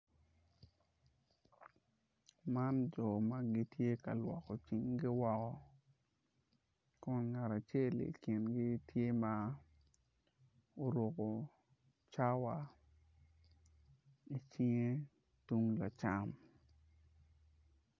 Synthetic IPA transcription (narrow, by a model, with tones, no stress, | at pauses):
ma˦nd͡ʒɔ˨ma˦ɡɪ˦tje˦ka̰˨lwɔ˨kɔ˨t͡ʃi˦ŋɡɪ˦wɔ˦kɔ˦ | kɔ˦nŋa˨ɾa˨t͡ʃe˦˨lḭ˨kɪ˨nɡɪ˦tje˦ma˦ | o˨ɾo˨ko˨ | t͡ʃa˦wa˨ | i˨t͡ʃi˦ŋe˦ | tu˦ŋla˨t͡ʃa˦m